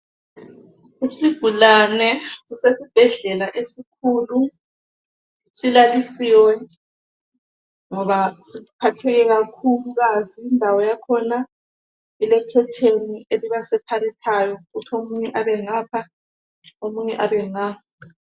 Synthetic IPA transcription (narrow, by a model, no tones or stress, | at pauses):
isiɡ̥ʱulanɛusesib̥ʱɛɮɛlaʔesikʰulu | silalisiwɛ | ŋɔβasiupʰatʰɛɣɛɣakʰuluɣaziːndʱawɔjakʰɔna | ilɛkʰɛtʰenieliβasɛtʰalitʰajɔɣutʰomuɲɛʔaβɛŋaːpʰa | omuɲɛʔaβɛŋaːa